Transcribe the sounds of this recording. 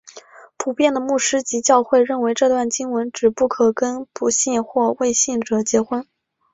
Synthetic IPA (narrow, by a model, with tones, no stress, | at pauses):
pʰu˨˩pjɛ˥˩nd̪ə˩mu˥˩ʂɻ̩˥t͡ɕi˧˥t͡ɕjɑ˥˧ʊxwe˥˧ɪɻə˥˩nwe˧˥ɪʈ͡ʂɤ˥˧t̪wa˥˩nt͡ɕi˥ŋwə˧˥nʈ͡ʂɻ̩˨˩pu˥˩kʰɤ˨˩kə˥npu˧˥ɕi˥˧nxwɔ˥˧we˥˧ɪɕi˥˩ŋʈ͡ʂɤ˨˩t͡ɕjɛ˧˥xwə˥n